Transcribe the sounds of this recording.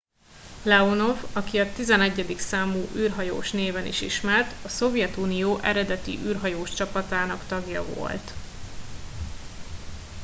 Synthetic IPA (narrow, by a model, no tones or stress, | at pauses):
lɛono̞vɒkiɒt̪izɛnɛɟːɛd̪iksaːmuːʔyːrɦɒjo̰ːʃneːvɛnḭʃḭʃmɛrt̪ɒso̞vjɛt̪unijoːʔɛɾɛd̪ɛt̪ḭʔyːrɦɒjoːʃt͡ʃɒpɒt̪aːnɒkt̪ɒɡjɒvo̰lt̪